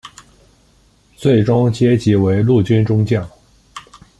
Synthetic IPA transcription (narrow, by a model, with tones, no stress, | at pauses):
t͡swe˥˩ɪʈ͡ʂʊ˥ŋt͡ɕjɛ˥t͡ɕi˧˥we˧˥ɪlu˥˩t͡ɕy˥nʈ͡ʂʊ˥ŋt͡ɕjɑ˥˩ʊ